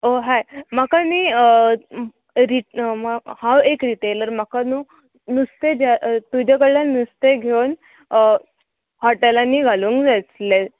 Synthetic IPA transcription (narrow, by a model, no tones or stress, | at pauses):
oɦajmakani | ɾimhãwekɾiʈeləɾmakanuː | nust̪ed͡ʑat̪ud͡ʑakəɽlanust̪eɡʱewn | hɔʈelanːiːɡʱaluːŋkd͡zat͡sle